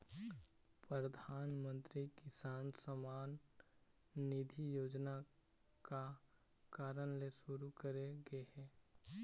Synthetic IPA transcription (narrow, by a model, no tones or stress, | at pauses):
pɾəd̪ʱaːnmə̃nt̪ɾikɪsaːnsəmaːnː | ɪd̪ʱijoːd͡ʒna | ka | kaːɾənleʃʊɾukəɾeɡəehɛː